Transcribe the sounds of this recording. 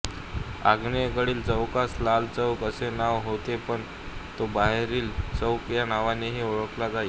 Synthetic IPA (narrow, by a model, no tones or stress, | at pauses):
a̰ɡneɡəɽiːlt͡səwkaslalt͡səʋkəsenaʋɦot̪epəɳ | t̪obaɦɾiːlt͡səwkjanaʋaneɦiːoɭəklad͡zai